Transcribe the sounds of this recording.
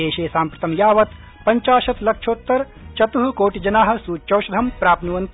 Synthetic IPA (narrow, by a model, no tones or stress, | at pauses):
eːʃeːsaːmpɾɐt̪ɐmjaːʋɐt̪ | pɐɲt͡ʃaːʃɐt̪lɐkʂʰoːt̪ːɐɾ | t͡ʃɐt̪uɦukoːʈid͡ʒɐnaːɦɐ̆suːt͡ʃɐwʃɐd̪ʱɐmpɾaːpnuʋɐnt̪